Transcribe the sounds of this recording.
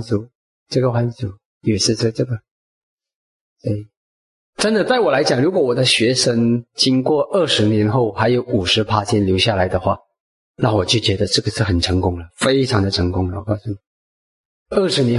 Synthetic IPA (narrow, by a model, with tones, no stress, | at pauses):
t͡su˧˥ | ʈ͡ʂɤ˥˩ɡə˩xwa˧˥nt͡su˨˧˥ | y˨˩ʂɻ̩˥˧ʂə˥˧ʈ͡ʂɤ˥˩ɡə˩ | sɛ˧˥i˨˩ | ʈ͡ʂə˥nd̪ə˨t͡sa˥˩ɪwɔ˨˩la˧˥ɪt͡ɕjɑ˨˩ŋɻu˧˥kwɔ˧˥wɔ˨˩d̪ə˦ɕɥɛ˧˥ʂə˥ŋt͡ɕi˥ŋkwɔ˥˨ʔə˥˩ʂɻ̩˧˥njɛ˧˥nxo˥˩ʊxa˧˥ɪjo˧˥ʊu˨˩ʂɻ̩˧˥pʰa˥t͡ɕʰjɛ˥nljo˧˥ʊɕja˥˩la˧˥ɪd̪ə˧xwa̰˥˩ | na˥˩wɔ˨˩t͡ɕjo˥˩t͡ɕɥɛ˧˥d̪ə˧ʈ͡ʂɤ˥˩ɡə˩ʂɻ̩˥˩xə˨˩nʈ͡ʂʰɤ˧˥ŋkʊ˥ŋlə˨fe˥ɪʈ͡ʂʰɑ˧˥ŋd̪ə˨˧ʈ͡ʂʰɤ˧˥ŋkʊ˥ŋlə˨wɔ˨˩kɑ˥˧ʊsu˥˩ni˨˩ | ə˥˩ʂɻ̩˧˥njɛ˧˥